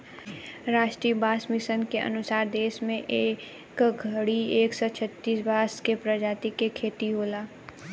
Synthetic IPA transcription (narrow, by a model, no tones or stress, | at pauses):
ɾaːʃʈɾiːəbaːsmɪsənkeʔə̰nʊsaːɾd̪eːʃmẽʔeː | kɡʱəɽieːksɔt͡ʃʰət̪ːiːsbaːskepɾɐd͡ʒaːt̪ikekʰeːt̪iɦoːlaː